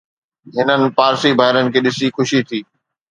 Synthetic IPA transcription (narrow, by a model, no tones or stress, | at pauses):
ɦɪnənɪ̆paːɾsibʱaːɦɪɾənɪ̆kʰeːɗɪsixʊʃit̪ʰiː